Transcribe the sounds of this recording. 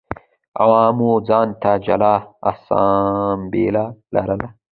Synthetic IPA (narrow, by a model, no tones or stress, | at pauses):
a̰wɑːmud͡zɑːnt̪ad͡ʒɐ̰laa̰sa̰ːmbeːlalɐ̰ɾɐla